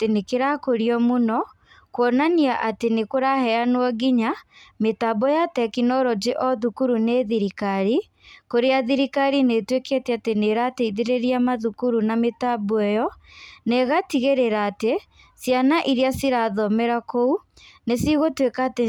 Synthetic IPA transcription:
tenekeɾakoɾiɔmonɔ | kwɔnaniaʔatenekoɾahɛanowɔɣiɲametabɔjatɛkinɔɾɔd͡ʒeʔɔðukuɾuneðiɾikaɾi | koɾeaðiɾikaɾinetweketɛateneɾaːteiðeɾeɾiamaðukuɾunametaboɛjɔnɛɣatiɣeɾeɾaːte | sjanaʔiɾeasiɾaðɔmɛɾakou | nesiɣotwekaːte

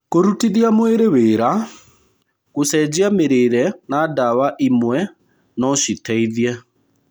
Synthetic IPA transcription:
koɾutiðiamweɾeweːɾa | kosɛd͡ʑiameɾeːɾɛnaːdawaʔimwɛ | nɔʃitɛiðiɛ

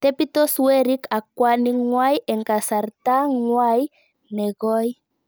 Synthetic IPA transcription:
t̪epit̪osweɾikakwaniŋwajeŋkasaɾt̪aŋwaj | neɣoj

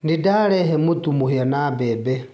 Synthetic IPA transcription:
ndidaɺɛɦɛmut̪ʼumuhiɔnabɛːbɛ

